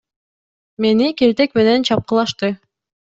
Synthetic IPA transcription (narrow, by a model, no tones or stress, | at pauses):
menikeɾt̪ekmenent͡ɕɑp̚qɤ̆lˠɑʃt̪ɤ